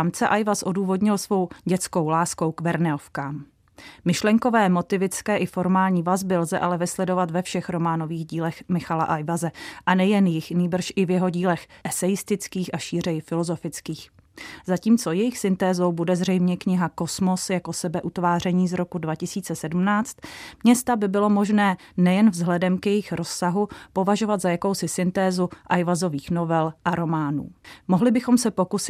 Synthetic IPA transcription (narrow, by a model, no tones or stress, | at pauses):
amt͡sɛʔajvasʔo̞duːvo̞dɲɪlsvo̞wɟɛt͡sko̞wlaːskowkvɛɾnɛofkaːm | mɪʃlɛŋko̞vɛːmo̞t̪ɪvɪt͡skɛːʔɪfo̞ɾmaːlɲiːvazbɪlzɛʔalɛvɪslɛdo̞vat̪vɛfʃɛxɾo̞maːno̞viːɣɟiːlɛxmɪxala̰ʔajvazɛʔanɛjɛnjɪxniːbr̩ʃʔɪvjɛɦo̞ɟiːlɛxʔɛsɛjɪst̪ɪt͡skiːxʔaʃiːr̝ɛjɪfɪlo̞zo̞fɪt͡skiːx | zaciːmt͡so̞jɛjɪxsɪnt̪ɛːzo̞wbudɛzr̝ɛjmɲɛkɲɪɦako̞smo̞sjako̞sɛbɛʔut̪vaːr̝ɛɲiːzɾo̞kudvacɪsiːt͡sɛsɛdumnaːt͡st̪mɲɛst̪abɪbɪlo̞mo̞ʒnɛːnɛjɛnvzɦlɛdɛmkjɛjɪxɾo̞sːaɦupo̞vaʒo̞vat̪zajako̞wsɪsɪnt̪ɛːzuʔajvazo̞viːxno̞vɛlʔaɾo̞maːnṵːmoɦlɪbɪxo̞msɛpo̞kusɪ